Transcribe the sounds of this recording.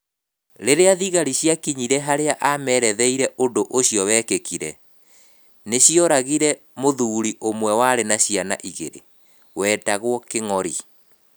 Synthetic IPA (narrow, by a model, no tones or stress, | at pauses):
ɾeɾeaðiɣaɾiɕjakiɲiɾɛɦaɾeaʔamɛɾɛðɛiɾɛʔondoʔoɕiɔwɛːkekiɾɛ̰ | neɕiɔɾaɣiɾɛ | moðuːɾiʔomwɛwaɾenaɕiana̰ʔiɣḛɾḛ | wɛːtaɣwɔkeŋɔɾi